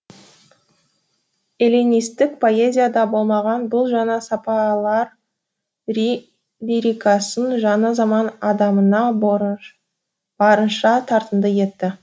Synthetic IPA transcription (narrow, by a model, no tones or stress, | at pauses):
elinijst̪ɪk̚pʰo̞e̞zʲijad̪ɑbo̞lˠmɑʁɑnbʊlˠʒɑnɑsɑpɑlˠɑɾ | liɾikɑsənʒɑnəzɑmɑnɑd̪ɑmənɑ | b̥ɑɾənʃɑt̪ʰɑɾt̪ənd̪əje̞t̪ːɪ